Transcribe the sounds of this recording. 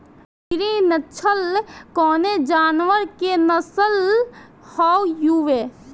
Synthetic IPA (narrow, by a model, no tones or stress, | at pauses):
iɾinət͡ʃʰəlkɔːned͡ʒaːnʋəɾkenəsəl | hɔwjuʋe